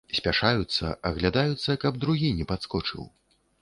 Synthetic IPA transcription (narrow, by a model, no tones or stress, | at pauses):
sʲpʲaʂajut̪sːɐ̰ʔɐɣlʲad̪ajut̪sːɐkɐbd̪ɾuɣʲinʲɛpat̪skɔt͡ʂɨ̰w